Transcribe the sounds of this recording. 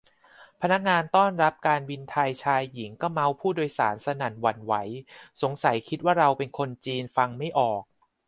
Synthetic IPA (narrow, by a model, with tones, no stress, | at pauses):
pʰa˧na˦˥k̚ŋaː˧nt̪ɔː˥˩nɾa˦˥p̚kaː˧nwi˧nt̪ʰaː˧jt͡ɕʰaː˧jːi˩˦ŋkɔː˥˩ma˦˥wpʰuː˥˩doː˧jsaː˩˦nsa˧na˨˩˦nwa˨˩˦nwa˩˦jso˩˦ŋsa˩˦jkʰi˦˥t̪̚waː˥˩ɾa˧wpe˧nkʰo˧nt͡ɕiː˧nfa˧ŋma˥˩jʔɔː˨˩k̚